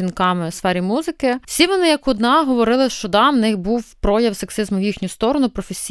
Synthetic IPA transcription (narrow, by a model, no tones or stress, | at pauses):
inkɑmɪsfɛɾʲimuzɪkɪsʲiʋɔnɪjɐkʊd̪nɑɦɔʋɔɾɪlˠɪʃt͡ʃɔd̪ɑmnɪxbuwpɾɔjɐwseksɪzmʊwjixnʲʊst̪ɔɾɔnʊpɾɔfesʲ